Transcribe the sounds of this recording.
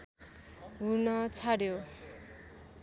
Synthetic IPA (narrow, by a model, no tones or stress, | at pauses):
ɦurnʌt͡sʰaɽjo